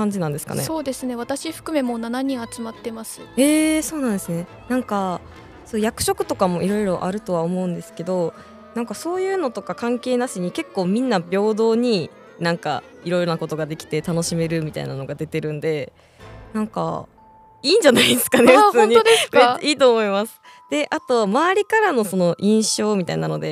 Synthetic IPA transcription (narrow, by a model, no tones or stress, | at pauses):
kãɲ̟d͡ʑinãnd̪e̞sɨ̥ka̰nḛso̞ːd̪e̞sɨne̞βat̪aɕiɸɯ̟̥kɯ̟me̞mo̞nanaɲ̟ĩɰ̃at͡sɨmat̪ːe̞masɨe̞ːso̞ːnãnd̪e̞sɨne̞ | nãŋka | soːjakɯ̟̥ɕo̞kɯ̟̥t̪o̞kamo̞ʔiɾo̞iɾo̞ʔa̰ɾɯ̟t̪o̞β̞aomo̞ɯ̟̃nd̪e̞sɨ̥ke̞d̪o̞ | nãŋkaso̞ːjɯ̟ːno̞t̪o̞kakãŋke̞ːnaɕiɲ̟ike̞kːo̞ːmʲĩnːabʲo̞ːd̪o̞ːɲ̟i | nãŋka̰iɾo̞ijɾo̞nako̞t̪o̞ɡad̪e̞kʲi̥t̪e̞t̪ano̞ɕime̞ɾɯ̟mʲit̪a̰ḭnano̞ɡad̪e̞t̪e̞ɾɯ̟̃nd̪e̞ | nãŋka̰ | iːɲ̟d͡ʑanaid̪esɨ̥kanefɯt͡sɨõːnɲ̟it̪od̪e̥kaiːt̪o̞ːmo̞imasɨ̥ | d̪̥e̞ʔat̪o̞βamaːɾʲikaɾano̞so̞no̞ʔĩɰ̃ɕo̞ːmʲit̪ainano̞d̪e̞